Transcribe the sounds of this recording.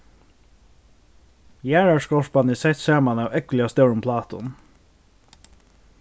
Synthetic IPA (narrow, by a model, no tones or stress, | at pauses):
jæːɹæʃkɔʃbɑnɪːsɛt̪sæːɹmɑnɑʊʔɛklɪɑst̪ɛːɹʊmpʰlɑːt̪ʊ̰n